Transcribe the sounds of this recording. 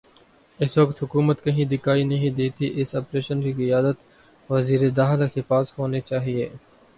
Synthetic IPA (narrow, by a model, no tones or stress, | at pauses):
ɪsʋəkt̪ɦʊkuːmət̪kɐɦĩd̪ɪkaːinɐɦĩd̪eːt̪iʔɪsɔːpɾeːʃənkikɪjaːd̪ət̪ | ʋɐziːɾed̪aːxlakepaːsɦoːnet͡ʃaːɦieː